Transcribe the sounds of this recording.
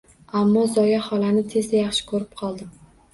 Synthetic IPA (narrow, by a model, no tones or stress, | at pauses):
amːɒzɒjahɒlanɪt̪ʰe̞zd̪ajɑχʃɪ̥kʰɵɾɪp̚qʰɒlˠd̪ɪm